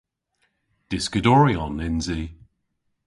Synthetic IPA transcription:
d̥ɪskədɔɹiɔnɪnzi

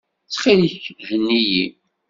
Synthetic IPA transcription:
t͡sːχiliçhənːiji

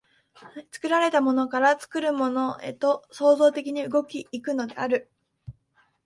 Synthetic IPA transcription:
t͡sɨ̥kɯ̟ɾaɾe̞t̪amo̞no̞kaɾat͡sɨ̥kɯ̟ɾɯ̟mo̞no̞ḛt̪o̞so̞ːzo̞ːt̪e̞kʲiɲ̟iɯ̟ɡo̞kʲiːkɯ̟no̞d̪e̞̰aɾɯ̟

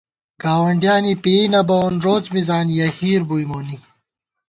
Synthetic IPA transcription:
ɡ̥aːwɐɳɖjaːnipeːnɐbonɾoːt͡smizaːnijɐhiːɾbujmoːni

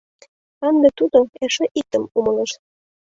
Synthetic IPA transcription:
ɑnd̪ĕt̪ud̪oeʃeʔik̚t̪ə̆mumɤleʃ

